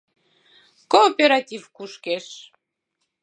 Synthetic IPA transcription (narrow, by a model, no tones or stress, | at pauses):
kopʲeɾat̪ʲivkuʃkeʃ